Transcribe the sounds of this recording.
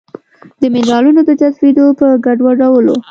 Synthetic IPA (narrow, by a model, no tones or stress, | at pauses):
d̪əmɪlɑlunod̪əd͡ʒat̪fed̪opəɡaɖwaɖawəlo̰